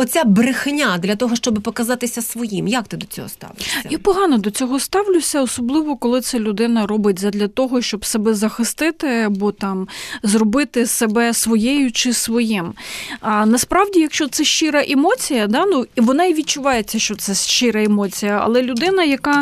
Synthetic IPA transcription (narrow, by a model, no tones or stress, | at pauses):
ɔt͡sʲabɾɪxnʲad̪lʲɐt̪ɔɦɔʃt͡ʃɔbɪpɔkɐzɑt̪ɪsʲɐsʋɔjimjak̚t̪ɪd̪ɔt͡sʲɔ̰ɦɔ̰st̪ɑ̰ʋɪjapɔɦɑnɔd̪ɔt͡sʲɔɦɔst̪ɑʋlʲʊsʲɐɔsɔblˠɪʋɔkɔlˠɪt̪sɛlʲʊd̪ɪnɐrɔbɪt̚ʲzɐd̪lʲɐt̪ɔɦɔʃt͡ʃɔbsebɛzɐxɪst̪ɪt̪ɪɐbɔt̪ɑmzrɔbɪt̪ɪsebɛsʋɔjɛjʊt͡ʃɪsʋɔjɪm | nɐspɾɑʋdʲijɐkʃt͡ʃɔt̪sɛʃt͡ʃɪɾɐʔɛmɔt͡sʲijɐd̪ɑnuiʋɔnɑiʋʲit̚ʲt͡ʃʊʋɑjet͡sʲːɐʃt͡ʃɔt̪sɛʃʃt͡ʃɪɾɐɛmɔt͡sʲijɐɐ̰lˠɛlʲʊd̪ɪnɐjɐkɑ